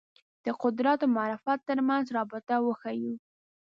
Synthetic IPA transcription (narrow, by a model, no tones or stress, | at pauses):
d̪̥əqʊd̪ɾat̪omɑɾɪfat̪ːəɾmanzɾɑbɪt̪awəxaju